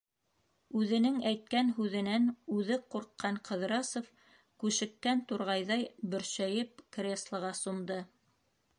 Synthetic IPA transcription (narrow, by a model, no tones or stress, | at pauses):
ʉðɘ̆nɘŋæjt̪̚kænɦʉðɘ̆nænʉðɘquɾqːɑɴqɤ̆ð̆ɾɑsŏf | kʉʃɘ̆kːænt̪uɾʁɑjðɑjbɵ̆ɾʃæjɘp̚krʲeslˠɤ̆ʁɑsŏmd̪ɤ